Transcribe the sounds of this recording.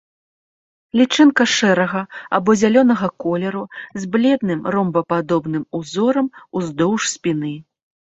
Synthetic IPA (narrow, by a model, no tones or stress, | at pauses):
lʲit͡ʂɨnkɐʂɛɾɐɣɐa̰bɔzʲalʲɔnɐɣɐkɔlʲɛɾuzʲblʲɛd̪nɨmrɔmbɐpad̪ɔbnɨmuzɔɾɐmuzd̪ɔwʂsʲpʲinɨ